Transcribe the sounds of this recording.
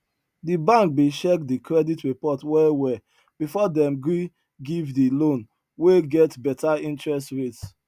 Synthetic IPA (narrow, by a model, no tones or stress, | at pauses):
dibãŋk̚beʃɛkdikʰɹɛditɹipɔtwɛwɛ | b̥ifɔdɛ̃mɡɹi | ɡivdilõn | weɡɛtbɛtaĩntɹɛs̬tɹets